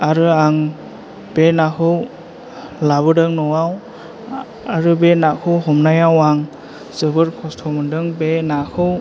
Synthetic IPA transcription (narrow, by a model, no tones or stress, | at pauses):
aɾɯaŋ | b̥enakʰɯw | laβɯdɯŋnɔwaw | aɾɯbenakʰɯwɦɔmnajawaŋ | zɯbɯɾkʰɔstʰɔmɯndɯŋbenakʰɯw